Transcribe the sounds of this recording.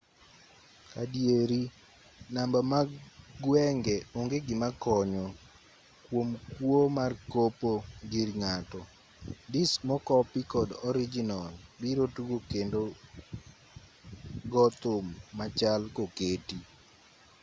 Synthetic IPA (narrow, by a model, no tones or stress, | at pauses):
kadjeɾi | nambamaɡwɛŋɡɛoŋɡeɡɪmakɔɲɔ | kwomkwomarkopoɡiɾŋatɔ | dismɔkɔpikɔdɔɾid͡ʒinɔlbiɾotuɡokendo | ɡɔt̪ʊmːat͡ʃalkoketi